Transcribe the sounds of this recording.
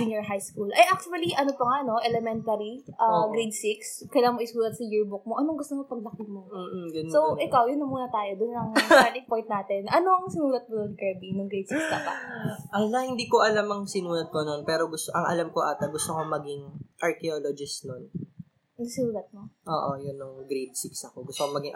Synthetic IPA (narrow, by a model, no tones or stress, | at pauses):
ɪnjoɹɦajskuːlʔɐjʔak̚t͡ʃʊɐliʔɐnopɐŋano̞ʔɛlɛmɛnt̪ɐɾiʔɐɡɾejd̪sikskɐjlaːɐmoʔɪsuːlɐt̪̚sɐjɪɹbʊk̚moʔɐnoŋɡʊst̪omopɐɡ̚lɐkɪmoːɡɐnsowʔɪkawjʊnːɐmuːnɐt̪aːjod̪ʊnɐŋaːt̪ɪŋpojnt̪̚naːt̪ɛnʔɐno̞ʔɐŋsɪnuːlɐt̪̚mod̪onkɛbinɐŋɡɾejd̪sikskɐpa̰ʔɐlɐhɪnd̪iːkoʔɐlamɐŋsɪnuːlɐd̪̚kononpɛːɾoɡʊst̪oʔɐŋʔɐ̰lamkoʔaːt̪ɐɡʊst̪okomɐɡiŋʔɐɹkɛolod͡ʒɪsnon | sɪnuːlɐt̪̚moʔoːʔojʊnːʊŋɡɾejd̪̚siksɐkoɡʊst̪okomɐɡiŋ